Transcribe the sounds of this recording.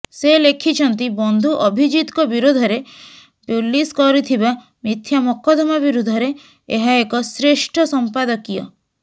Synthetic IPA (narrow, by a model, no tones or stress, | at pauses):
selekʰit͡ʃʰɔnt̪ibɔnd̪ʱuʔɔbʱid͡ʒit̪kɔbiɾod̪ʱɔɾe | pulːiskɔɾit̪ʰiba | mit̪ʰjamɔkɔd̪ɔmabiɾud̪ʱɔɾeː | ɦaekɔsɾeʃʈʰɔsɔmpad̪ɔkijɔ̰